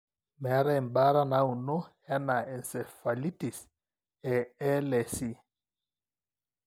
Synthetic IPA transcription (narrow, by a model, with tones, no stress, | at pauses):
mɛ˨a˦ɾa˦ɛ˨mba˦ɾa˦na˦u˨nɔ˦ja˦na˨ɛ˨nsɛ˨fa˨li˦ti˨s | ɛ˨ɛ˦lɛ˨si˦